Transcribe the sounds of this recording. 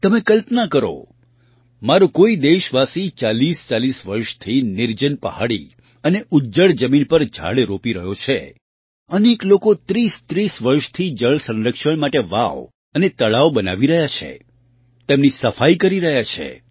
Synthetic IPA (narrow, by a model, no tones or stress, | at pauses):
t̪əmekəlpnakəɾo̰ | maɾokoid̪eʃʋasit͡ʃalist͡ʃalisʋəɾʃt̪ʰinɪɾd͡ʒənpəɦaɽi | əneʔud͡ʒəɭd͡ʒəminpəɾd͡ʒʱa̰ɭeɾopiɾəɦjot͡ʃʰe | əneklokot̪ɾist̪ɾisʋəɾʃt̪ʰid͡ʒəɭsə̃nɾəkʃəɳmaʈeʋa̰ʋ | ənet̪əɭaʋobəna̰ʋiɾəɦjat͡ʃʰḛ | t̪emnisəfaikəɾiɾəɦjat͡ʃʰḛ